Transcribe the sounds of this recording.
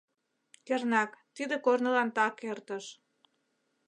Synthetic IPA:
kernɑkt̪id̪ekornəlɑnt̪ɑkert̪əʃ

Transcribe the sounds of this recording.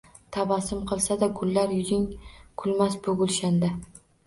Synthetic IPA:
t̪ʰabasɪmqʰɨlˠsad̪aɡʊlːaɾjʊzʲɪŋkʰʊlˠmasbʊɡʊlˠʃand̪a

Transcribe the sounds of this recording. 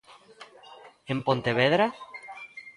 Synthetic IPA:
empont̪eβeðɾa

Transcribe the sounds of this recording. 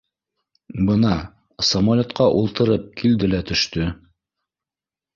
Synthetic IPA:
bɤnɑ | sɐmolʲot̪qɑʔulˠt̪ɤ̆ɾɤp̚kʰild̪ɘlæt̪ɵ̆ʃt̪ɵ

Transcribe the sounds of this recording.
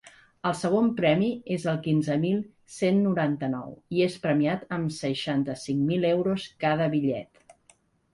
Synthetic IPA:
əlˠsəɣ̞ompɾɛmiezəlˠkinzəmilˠ | senːuɾant̪ənɔ̰wiespɾəmiat̪əmsəʃant̪əsiŋmilewɾoskað̞əβiʎɛ̰t̪

